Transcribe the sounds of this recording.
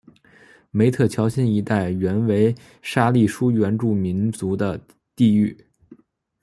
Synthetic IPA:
me˧˥ɪt̪ʰɤ˥˩t͡ɕʰjɑ˧˥ʊɕɛ˥ni˧˥t̪a˥˩ɪɥɛ˧˥nwe˧˥ɪ | ʂa˥li˥˩ʂu˥ɥɛ˧˥nʈ͡ʂu˥˩mi˧˥nt͡su˧˥d̪ə˧ | t̪i˥˧y˥˩

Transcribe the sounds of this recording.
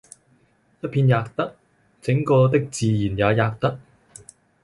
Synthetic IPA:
jɐ˥t̚pʰiː˧njaː˧k̚t̪ɐ˥k̚ | t͡sɪ˨˥ŋkɔː˧t̪̬ɪ˥k̚t͡siː˨jiː˨˩njaː˨˧jaː˧k̚t̪ɐ˥k̚

